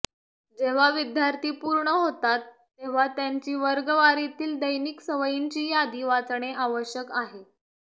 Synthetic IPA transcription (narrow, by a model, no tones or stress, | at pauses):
d͡ʑeʋ̤aʋid̪jaɾt̪ʰiːpuɾɳəɦot̪at̪ːeʋ̤at̪jaɲt͡ɕiːʋəɾɡəʋaɾit̪iːld̪əjniksəʋəjiɲt͡ɕiːjad̪iːʋat͡s̪ɳ̃eʔaʋəɕjəkaɦe